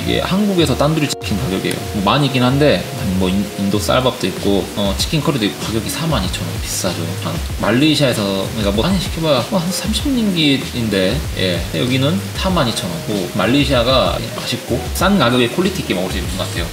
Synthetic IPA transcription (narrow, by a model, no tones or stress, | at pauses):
iɡḛhanɡuɡe̞sʰʌt͈anduɾt͡ɕʰi̥kʰinkaɡjʌɡiḛjo̰mʌmaɲik͈inɦande̞amwʌiindok̚s͈a̰ɭbʌp̚t͈oip̚k͈oʌt͡ɕʰi̥kʰinkʰʌɾidoik͈okaɡjʌɡisʰamaɲit͡ɕʰʌnɯ̰npi̥s͈ad͡ʑoman | maʎːiɕʰiaesʰʌɲikamwʌɲiɕʰi̥kʰibaaɦansʰamɕʰimɲinɡi | inde̞je̞̰jʌɡinɯnsʰamaɲit͡ɕʰʌnɯnkomaʎːiɕʰiaɡama̰ɕʰip̚k͈os͈ankaɡjʌɡekʰoɭːitʰik͈emaɡɯɭs͈uimŋɡʌkatʰe̞jo